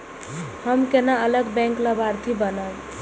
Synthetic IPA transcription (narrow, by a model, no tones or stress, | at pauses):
həmkenaələɡbɛ̃ŋkləbaɾt̪ʰibənal